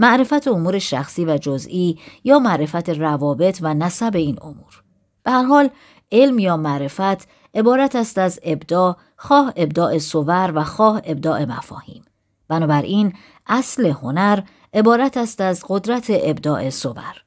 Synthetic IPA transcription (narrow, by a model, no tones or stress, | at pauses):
mæʔɾe̞fæt̪ʰeomuːɾeʃæ̰xsiːvæd͡ʒozʔiːjɒːmæʔɾe̞fæt̪ʰerævɒːbe̞t̪ʰvænæsæbe̞iːno̰muːɾ | b̥ehæɾɦɒːl | ʔe̞lmjɒːmæʔɾe̞fæt̪ʰ | ʔe̞bɒːɾæt̪ʰæst̪æze̞bd̪ɒː | xɒːhe̞bd̪ɒːʔe̞sovæɾvæxɒːhe̞b̚d̪ɒːʔe̞mæ̰fɒ̰ːhḭːm | b̥ænɒːbæɾʔin | ʔæsle̞ho̞næɾ | e̞bɒːɾæt̪ʰæst̪æzɡo̞d̪ɾæt̪ʰe̞ʔebd̪ɒːʔe̞so̞væ̰ɾ